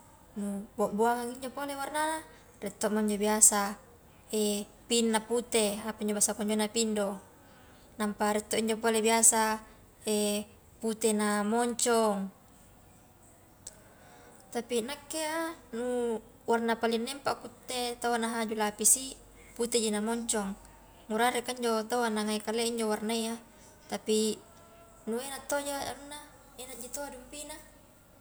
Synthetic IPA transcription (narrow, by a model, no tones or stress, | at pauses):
nubaʔbuaŋaŋiɲd͡ʒopolewarnaa | rɛt̪ːoʔmoɲd͡ʒobiasa | e | pinːaput̪eapaiɲd͡ʒobasakɔɲd͡ʒonːapindo | nampaɾɛt̪ːoʔiɲd͡ʒopolebiasa | e | put̪enamɔɲt͡ʃɔŋ | t̪apinakːeanu | warnapalinːempakut̪ːet̪awanaɦad͡ʒulapisi | put̪ed͡ʒinamɔɲt͡ʃɔŋ | muɾaɾekaiɲd͡ʒot̪awanaŋaikaleiɲd͡ʒowarnaia | t̪api | nuenat̪ːod͡ʒaa̰nunːa | enad͡ʒit̪oadumpina